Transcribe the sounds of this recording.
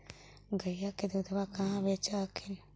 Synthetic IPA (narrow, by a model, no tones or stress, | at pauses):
ɡajakedud̪abakahabet͡ʃakin